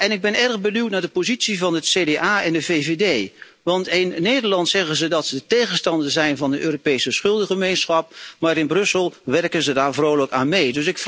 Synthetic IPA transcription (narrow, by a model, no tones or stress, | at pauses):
ɛnɪɡ̚bɪnɛrɣbənywtnaːɹdəpozitsivɑnətsedeaːɛndəveːvedeː | ʋɑntɪnːeːdəɹlɑntsɛɣənzədɑtsədətejɣənstɑndəzɛjnvɑndəʔøːropejsəsχʏlˠdəχəmejnsχɑp̚maːɾɪnbrɵsəlˠʋɛrkənzədaːɹvrowləkaːnmejdɵs̬ɪkf